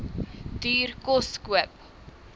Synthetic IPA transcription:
d̥yːrkɔskuəp̚

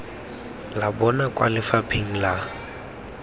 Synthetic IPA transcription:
labɔnakʼwalɪfapʰeŋ̩la

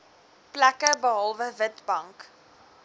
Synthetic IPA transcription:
plækəbəɦɑlˠvəvətbɐŋk

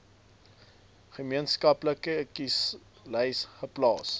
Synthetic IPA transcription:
χəmiənskɐpləkəəkis | lɛjsχəplɑːs

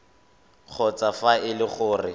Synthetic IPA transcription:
k͡xʰɔt͡safaɪlɪχʊːrɪ

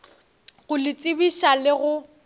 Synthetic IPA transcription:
ɣʊlɪt͡sʼɪbiʃalɪɣʊ

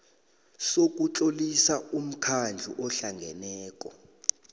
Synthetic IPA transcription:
sok̬ʼut͡ɬʼolisaum̩kʰand͡ɮʱuʔɔɬaŋɡʱɛnɛːk̬ʼɔ

